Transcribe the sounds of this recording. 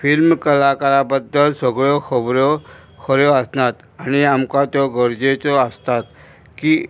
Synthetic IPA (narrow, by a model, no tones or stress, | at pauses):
filmkəlakaɾabəd̪ːəlsəɡɭɔkəbɾɔ | kʰəɾjɔəsnat̪ | añiamkat̪jɔɡəɾd͡ʑet͡sɔəst̪at̪̚ | kiː